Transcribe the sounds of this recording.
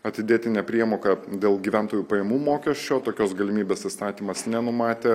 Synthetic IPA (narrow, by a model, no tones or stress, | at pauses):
ɐt̪ʲɪd̪ʲeːt̪ʲɪnʲɛpʲɾʲiɛmoːkɐd̪ʲeːlˠɡʲiʋʲɛnt̪oːjuːpɐjɛmuːmoːkʲɛsʲt͡ʃʲoːt̪oːkʲoːsɡɐlʲɪmʲiːbʲeːsɪst̪ɑːt̪ʲiːmɐsnʲɛnʊmɑːt̪ʲeː